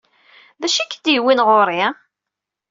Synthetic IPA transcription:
ðæʃikːəd̪jiwinʁoɾˤi

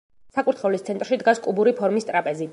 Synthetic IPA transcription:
sakʼuɾt̪ʰχɛlist̪sʰɛnt̪ʼɾʃid̪ɡaskʼubuɾipʰɔɾmist̪ʼɾapʼɛzi

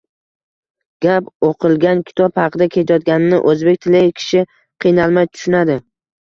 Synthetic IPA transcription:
ɡ̥ʲapoqʰɨlˠɡʲankʲʰɪ̥t̪ʰɒphɑqʰɨd̪akʲʰet̪ʰajɒt̪̚ɡʲanɪnɪ̰ʔɵzbek̚ʲt̪ʰɪlɪkʲʰɪ̥ʃɪ | qʰɨjnalˠmajt̪ʰʊ̥ʃʊnad̪ɪ

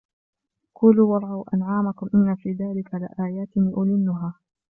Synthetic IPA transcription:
kʊːluːwɑɾˤʕawʔa̰nʕaːmakʊmʔɪnːafiːðaːlɪkʰalɪ̰ʔaːjaːt̪ɪniːʔʊlɪnːʊɦaː

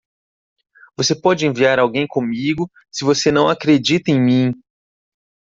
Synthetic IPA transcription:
v̥osepɔd͡ʒɪẽviaɾawɡẽj̃kõmiɡʊ | sɪvosenɐ̃w̃akɾed͡ʒit̪ɐẽj̃mĩ

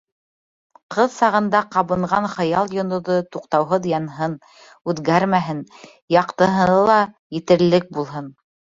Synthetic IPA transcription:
qʰɤðsɑʁɤ̆nd̪ɑqɑβɤ̆ɴʁɑnχɤ̆jɑlˠjŏnŏðɤt̪uqt̪ɑwɦɤðjɑnɦɤn | ʉðɡæɾmæɦɘn | jɑqt̪ɤ̆ɦɤ̆nɤlˠɑ | jɘ̆t̪ɘ̆ɾlɘk̚bulˠɦɤn

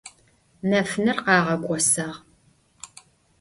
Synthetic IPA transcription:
nɐfnɨrqɑːʁɐkʷʼɔsɐʁ

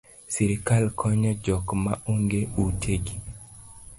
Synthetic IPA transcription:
siɾikalkʰɔɲɔd͡ʒɔkmaoŋɡeutʰeɡi

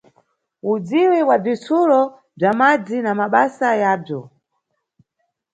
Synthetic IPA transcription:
ud͡ziwɛwab͡ʐit͡sʰulɔ | b͡ʐamad͡zinamaɓasajaːb͡ʐɔ

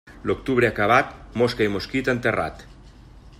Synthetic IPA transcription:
lokt̪uβɾeakaβ̞at̪moskaimoskit̪ant̪era̰t̪

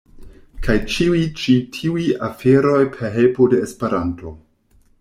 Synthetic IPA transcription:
kʰajt͡ʃiwit͡ʃitʰiujafeɾo̞jpʰeɾɦelpode̞ːspe̞ɾanto̞

